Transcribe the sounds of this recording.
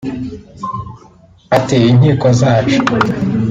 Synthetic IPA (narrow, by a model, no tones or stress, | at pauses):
atijin̥hiːkozaːt͡ʃo